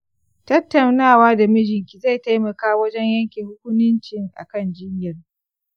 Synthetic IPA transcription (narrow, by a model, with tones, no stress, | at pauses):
tɐ˦tːɐ˨wnaː˦˨waː˦da˨mɪ˦d͡ʒɪ˨ŋkʲi˨za˦˨jta˦jmɐ˨kaː˦wɐ˦d͡ʒɛ˦ɲjɐ˦ŋkʲeː˨hʊ˦kʷʊ˦nʊ˦nt͡ʃɪ˦ŋʔa̰˨kɐ˦˨nd͡ʒɪ˦ɲjɐ˨r